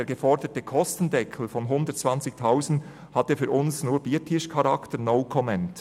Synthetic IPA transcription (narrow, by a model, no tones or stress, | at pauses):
eːɾɡefɔɾdətəkʰɔstən̩dɛkʰl̩fɔnɦʊndət̚t͡sv̥ɑnt͡sɪktʰaʊsn̩t | hɑtəfyːɾʔʊnsnuːɹb̥iːtʰɪʃkʰɑɾɑktənɔʊkʰɔmɛnt